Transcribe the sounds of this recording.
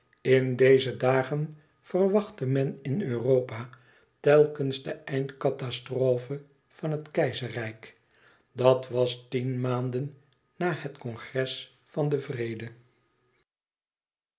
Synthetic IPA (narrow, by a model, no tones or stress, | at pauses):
ɪndejzədaːχən | fərʋɑχtəmɛnɪnøːrowpaː | tɛlˠkənzdəɛjntkɑtɑstroːfə | v̥ɑnətkɛjzərɛjk | dɑtʋɑstinmaːndənː | aːɦətkɔŋχrɛs | fɑndəvrejdə